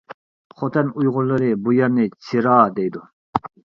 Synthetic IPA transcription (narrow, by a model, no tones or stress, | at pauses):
χot̪ʰɛnujʁʊlːˠɨɾɨbujɛɾnɪt͡ʃʰiɾɑːd̪ejd̪u